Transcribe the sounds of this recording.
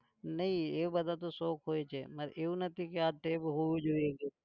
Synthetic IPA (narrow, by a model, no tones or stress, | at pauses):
nɐɦĩebəd̪ʱat̪̬osoːkɦoːet͡ʃʰeməɾeũnət̪ʰikeaʈeːbɦoid͡ʒoːeɡeː